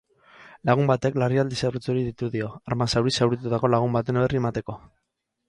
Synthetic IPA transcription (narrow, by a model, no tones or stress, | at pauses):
laɣ̞umbat̪e̞klariald̪isaɾrut͡so̞ɾiðit̪uðio̞aɾmasawɾisawɾit̪̬ut̪ako̞laɣ̞umbat̪e̞noβeriemat̪e̞ko̞